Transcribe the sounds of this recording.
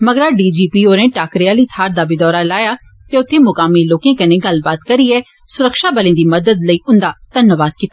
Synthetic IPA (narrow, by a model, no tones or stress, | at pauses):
məɡəɾaːɖiːd͡ʒiːpiːoːɾẽʈaːkɾɪaːlit̪ʰaːɾd̪aːbid̪ɔːɾalaːjaː | t̪eːʊt̪ʰːemʊkaːmiloːkẽːkɐneːɡɐlbaːt̪kɐɾiɛː | sʊɾəkʃaːbəlẽd̪iːmɐd̪əd̪ləiːʊ̃nd̪aːt̪ɐnːəʋaːd̪̚kɪt̪a